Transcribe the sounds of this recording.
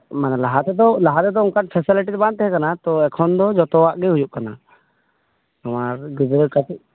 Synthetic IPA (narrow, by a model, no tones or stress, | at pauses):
manalaɦat̪ɛt̪ɔlaɦat̪ɛd̪ɔuŋkaʈ̚pʰɛsiliʈit̪ɛbãn̚t̪ɛɦɛ̃kanat̪ɔɛkʰɔnd̪ɔd͡ʒɔt̪ɔwaʔɡɛɦujuʔkana | amaɾɡud͡ʒɾəkatiʔ